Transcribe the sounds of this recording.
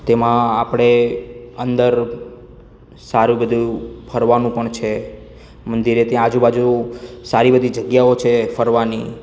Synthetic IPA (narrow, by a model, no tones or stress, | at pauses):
t̪emãapəɽ̃eənd̪əɾ | saɾubəd̪ʱufʰəɾʋanũpəɳt͡ʃʰe | mənd̪iɾet̪j̃ãad͡ʒubad͡ʒusaɾibəd̪ʱid͡ʒəɡjaot͡ʃʰefʰəɾʋani